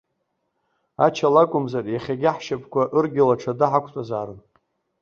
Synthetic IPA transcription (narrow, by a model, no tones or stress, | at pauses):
at͡ʃʰalakʷʼʊmzarjaχʲaɡʲɪħʃapʰʼkʷʰaʔɨrɡʲɪlaʈ͡ʂʰadɨħakʷʰʼtʼazaːɾɨn